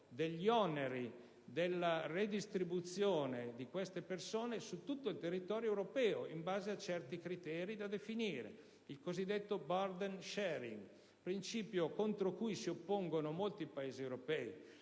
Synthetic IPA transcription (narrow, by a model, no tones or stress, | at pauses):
d̪eʎːiɔneɾi | d̪elːared̪ist̪ɾibut̪sjoːned̪ikwest̪epersoːnesut̪ːut̪ːoilt̪erːit̪ɔːɾjoewɾopɛːoimbaːzeat͡ʃɛrt̪ikɾit̪ɛːɾid̪ad̪efiniːɾḛ | ilkozid̪ːet̪ːobard̪enʃɛɾḭŋɡ | pɾint͡ʃiːpjokont̪ɾokujsiopːoŋɡonomolt̪ipaeːziewɾopɛːi